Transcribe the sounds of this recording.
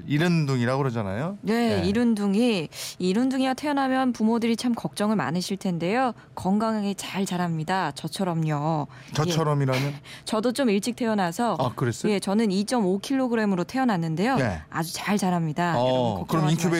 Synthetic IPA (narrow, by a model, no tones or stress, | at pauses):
iɾɯnduŋiɾaɡoɾed͡ʑana̰jone̞iɾɯnduŋiiɾɯnduŋiɡatʰe̞ʌnɦamjʌnpumodɯɾit͡ɕʰamkʌk̚t͡ɕ͈ʌŋɯɭma̰nɯɕʰiɭtʰe̞nde̞jo | kʌŋɡaŋŋet͡ɕaɭt͡ɕaɾɦamɲidat͡ɕʌt͡ɕʰʌɾʌmɲʌ | t͡ɕʌt͡ɕʰʌɾʌmiɾamjʌnt͡ɕʌdot͡ɕ͈omiɭt͡ɕ͈ʰik̚tʰe̞ʌnasʰʌakɯɾes͈je̞t͡ɕʌnɯnit͡ɕ͈ʌmokʰiɭːoɡɯɾe̞mɯɾotʰe̞ʌnɦanːɯnde̞joead͡ʑut͡ɕaɭt͡ɕaɾɦamɲidakɯɾʌminkʰube